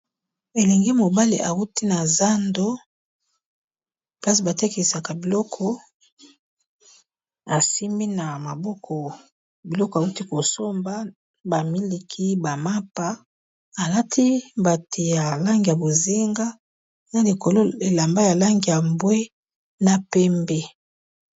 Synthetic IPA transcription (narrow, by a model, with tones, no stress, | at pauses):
e˨lɛ˨ŋɡe˦mo˨ba˦li˨ʔa˨u˦ti˦na˨za˦ndo˦ | pla˦si˨ba˨te˦ke˨sa˨ka˨bi˨lɔ˦kʰɔ˦ | a˨si˦mi˦na˨ma˨bɔ˦kʰɔ˨ | bi˨lɔ˦kɔ˨a˨u˦ti˦ko˨so˦mba˦ | ba˨mi˦li˨kʰi˦ba˨ma˦pa˦ | a˨la˦tʰi˦ba˨tʰe˨ja˨la˦ŋɡi˨ja˨bo˨zi˦ŋɡa˦ | na˨li˨ko˨lo˦e˨la˨mba˦ja˨la˦ŋɡi˨ja˨mbwe˦ | na˨pɛ˦mbɛ˦